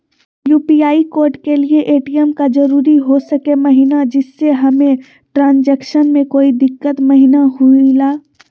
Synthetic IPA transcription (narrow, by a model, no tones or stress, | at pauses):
juːpiaːikoːɾʈkelieʔeːʈijɛmkad͡ʒɐɾuːɾiɦosɐkemɐɦinad͡ʒɪsːeɦɐmẽ | ʈɾãːnd͡ʒɛːkʃənmẽkoːid̪ɪkːət̪mɐɦinaɦuilaː